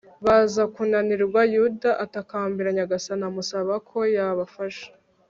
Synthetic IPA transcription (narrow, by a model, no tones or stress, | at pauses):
βazakunaniɾɡwajudaʔatakaːmbiɾaɲaɡasanamusaβakʰo̞jaβafaʃḁ